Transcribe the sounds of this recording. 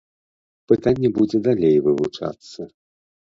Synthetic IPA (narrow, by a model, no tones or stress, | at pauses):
pɨt̪anʲːɛbud͡zʲɛd̪alʲejvɨvut͡ʂa̰t̪sːɐ